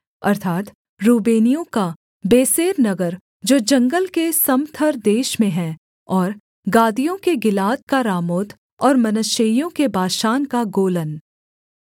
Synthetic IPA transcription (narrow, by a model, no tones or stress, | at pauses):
ɐɾt̪ʰaːt̪ | ɾuːbeːnijõka | beːseːɾnɐɡəɾ | d͡ʒoːd͡ʒɐ̃ŋɡəlkesɐmt̪ʰəɾd̪eːʃmẽɦɛ̃ | ɔːɾ | ɡaːd̪ijõkeɡɪlaːt̪̚kaɾaːmoːt̪ | ɔːɾmɐnəʃejõkebaːʃaːnkaɡoːlən